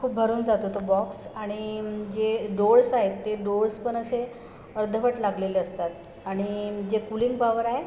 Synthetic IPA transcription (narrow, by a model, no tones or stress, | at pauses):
kʰuːp̚bʱəɾuːnd͡zat̪ot̪obɔksaɽ̃id͡ʑeɖoɭsaɦet̪ːeɖoɾspəɳ̃əse | əɾd̪ʱəʋəʈlaɡleleəst̪at̪ | aɽ̃id͡ʑekuliŋɡ̚baʋəɾaɦe